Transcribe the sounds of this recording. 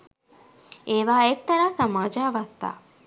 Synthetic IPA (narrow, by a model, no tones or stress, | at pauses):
ʔeːʋaːek̚t̪ɐɾaːsɐmaːd͡ʒaːʋɐst̪a̰ː